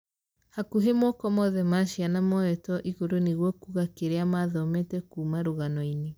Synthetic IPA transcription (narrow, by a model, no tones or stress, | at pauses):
hakuɦemɔkɔmɔðɛmaʃianamɔɛtɔʔiɣoɾoneɣwɔkuɣakeɾeamaðɔmɛtɛkuːmaɾoɣanɔine